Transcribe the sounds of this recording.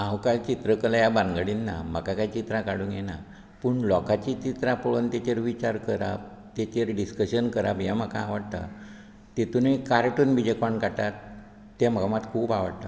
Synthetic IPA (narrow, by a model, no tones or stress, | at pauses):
ãwkalt͡ɕit̪ɾəkəlajabaŋɡaɽinːa̰m̤əkakaɦjt͡ɕit̪ɾãkaɽũŋkjɛna | pəɳlɔkat͡ɕit͡ɕit̪ɾapəɭont̪et͡ɕeɾʋit͡ɕaɾkəɾa̰b | t̪et͡ɕeɾɖiskəɕənkəɾabjãm̤əkaːʋəɽt̪a̰ | t̪et̪unikaɾʈuːnbid͡ʑekʋaɳkaʈat̪ː | em̤aamat̪kʰuːpaʋa̰ɽt̪a